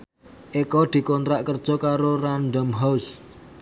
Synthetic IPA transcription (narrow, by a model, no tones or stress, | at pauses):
ʔekɔd̪̥i̤kɔnt̪ɾaʔkərd̥ʒ̥ɔ̤kaɾorand̪ɔmɦaus